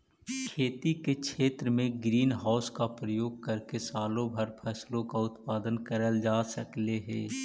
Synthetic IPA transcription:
kʰeːt̪ikekʃʰeːt̪ɾəmẽɡɾiːnɦaːʊskapɾəjoːɡ̚kɐɾkesaːlõbʱɐɾpʰɛslõkaʊt̪paːd̪ənkəɾəld͡ʒaːsəkleɦɛː

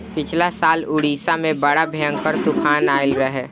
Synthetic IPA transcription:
pɪt͡ʃʰlasaːlʊɽiːsamẽbəɽabʱejə̃ŋɡpəɾt̪ʊkʰaːnaːɪlɾəɦɛː

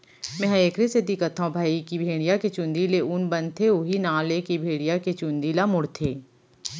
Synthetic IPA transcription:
mɛ̃ːɦəeːkɾesed̪ɪkət̪ɦãbʱaːikibʱeːɽ̃ijaket͡ʃʊ̃nd̪ileʊnbə̃nt̪ʰeʊɦinãːlekibʱeːɽ̃ijaket͡ʃʊ̃nd̪iːlamʊɽt̪ʰeː

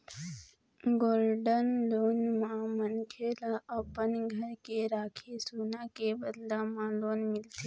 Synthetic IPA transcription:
ɡolɖənlonmãmənkʰelaʔəpənɡʱəɾkeɾaːkʰesunakebəd̪lamãlonmɪlt̪e

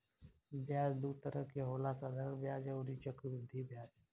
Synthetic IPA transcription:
bʱjaːd͡ʒd̪uːt̪əɾəkeɦoːlasad̪ʱəɾbjaːd͡ʒɛ̃oɾit͡ʃəkʊd̪ʱibjaːd͡ʒ

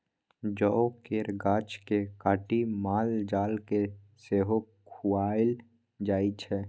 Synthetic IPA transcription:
d͡ʒɔːkeːɾɡaːt͡ʃkekaːʈimaːld͡ʒaːlke | seːɦokʰuaːɪl | d͡ʒaːit͡ʃʰɛː

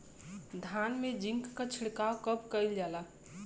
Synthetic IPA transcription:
d̪ʱanmed͡ʒĩŋkːat͡ʃʰɪɽkakəbkəɪld͡ʒala

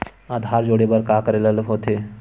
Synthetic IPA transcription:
aːd̪ʱaːɾd͡ʒoːɽebəɾkakəɾeləlɦoːt̪ʰe

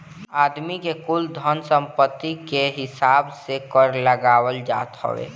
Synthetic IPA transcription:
aːd̪mikekʊld̪ʱənsə̃mpət̪ːikeɦɪsaːbsekəɾləɡaːwəld͡ʒa̰ːt̪ɦɔ̰ʋḛː

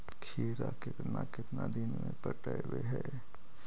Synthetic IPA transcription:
kʰeːɾakɪt̪nakɪt̪nad̪ɪnmẽpəʈaeweɦɛː

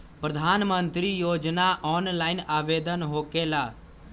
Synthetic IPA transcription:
pɾəd̪ʱaːnmənt̪ɾijoːd͡ʒnaʔɔːnlaːɪnaːʋeːd̪ənɦoːkeːlaː

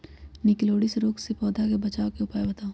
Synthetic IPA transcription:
nɪkloːɽɪsɾoːksepɔːd̪ʱakebɐt͡ʃaːokeʊpaːebɐt̪aːo

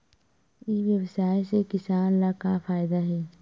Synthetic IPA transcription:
ɪʋjɐwsaːjsekɪsaːnlakafaːɪd̪aɦɛː

